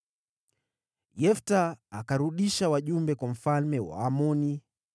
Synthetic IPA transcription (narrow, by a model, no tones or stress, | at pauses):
jɛftaakaɾuɗiʃawaʄumbɛkwam̩falmɛwa̰ːmɔni